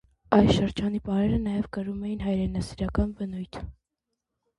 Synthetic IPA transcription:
ɑjsʃəɾd͡ʒɑnipɑɾɛɾənɑjɛvkəɾumɛjinɦɑjɾɛnɑsiɾɑkɑnvənujt̪ʰ

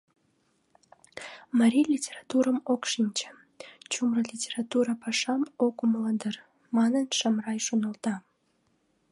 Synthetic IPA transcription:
məɾʲilʲitʲerɑt̪uɾəmokʃinʲt͡ɕə̥̆ | t͡ɕumrəlʲitʲeɾɑt̪uɾɑpɑʃɑmokumlənd̪ər | mɑnənʃɑmrɑjʃonə̆lˠt̪ɑ

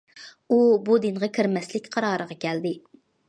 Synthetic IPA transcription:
ubud̪inʁɑkʲʰiɾmɛslɪkʲqʰɑɾɑːɾəʁɑkʲʰɛld̪ɪ

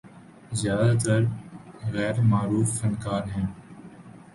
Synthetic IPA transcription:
zjaːd̪aːt̪əɾɣɛːɾmaːɾuːfːənkaːnɦɛ̃ːn

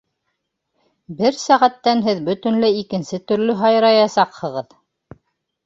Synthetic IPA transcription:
bɘɾsæʁæt̪ːænɦɘðbɵ̆t̪ɵ̆nlæikɘ̆nsɘt̪ɵ̆ɾlɵɦɑjɾɑjɑsɑqhɤ̆ʁɤð

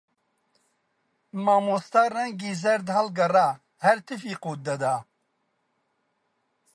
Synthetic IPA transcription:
maːmost̪aːrɛŋɡiːzɐɾd̪hɐlɡɐraː | hɛɾt̪ʰɨfiːquːt̪̚d̪ɐd̪aː

